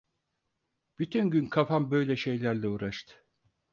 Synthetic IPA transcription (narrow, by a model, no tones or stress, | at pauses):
b̥yt̪ʰynɟynkʰafambø̞jlʲɛʃe̞jlʲæɾlʲɛuːɾaʃt̪ʰɯ̥